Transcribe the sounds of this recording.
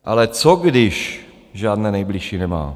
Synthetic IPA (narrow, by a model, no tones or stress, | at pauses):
ʔa̰lɛt͡soɡdɪʃ | ʒaːdnɛːnɛjblɪʃiːnɛma̰ː